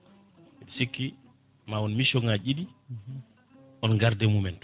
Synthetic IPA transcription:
ɛsikːi | mawɔnmiʃɔŋaɟidi | ʔɔnɡaɾdɛmumɛnt

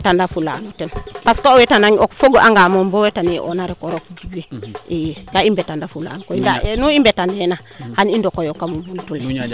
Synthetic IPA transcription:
tandafula̰nutenpaskoowetanaŋokfoɡoʔaŋɡamombowetaniʔo̰naɾekoɾokd͡ʒuɡiʔijkaimbetandafula̰nkoindanuimbetandena | hanindokojokamumbuntule

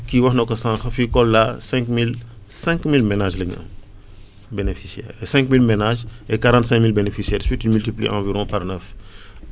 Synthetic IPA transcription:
kiwɐxnokosãːxɐfikɔlːasɛ̃kmil | sɛ̃ŋkmilmenaʒlɐɲ̰ɐ̰m | benefisiɛ̰ːɾesɛ̃ŋkmilmenaʒekaɾãːntsɛ̃ŋkmilbenefisiɛːɾswitinmyltiplḭʔãviɾɔ̃paɾnəf

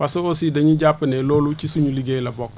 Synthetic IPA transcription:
fasuosideɲiɟapɪnɛlolut͡ʃisuɲuliɡelabɔk

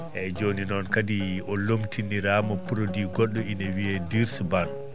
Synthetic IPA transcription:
ʔɛd͡ʒoninɔnkadiʔɔlomtiniɾamɔpuɾodiːɡɔɗːɔinɛwiɛdiɾsuban

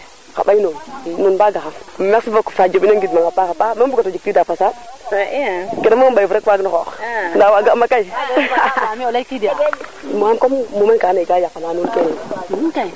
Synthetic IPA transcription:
ka̰ɓainomnunbaɡaxaŋmeksivokfad͡ʒobinoŋɡidmaŋapakapamebukatod͡ʒiktidafasa | kenamobajvuɾekwaɡnoxoxndawaɡamakai | miolakidamuamkommumenkanaɡajakːamanunkenin

